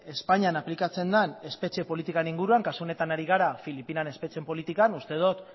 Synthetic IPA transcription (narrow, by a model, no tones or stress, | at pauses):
e̞spaɲianaplikat͡se̞nd̪ane̞spe̞t͡ʃie̞po̞lit̪ikaniŋɡuɾuaŋkasuo̞ne̞t̪anaɾiɣ̞aɾafilipinane̞spe̞t͡se̞mpo̞lit̪ikanust̪e̞ð̞ot̪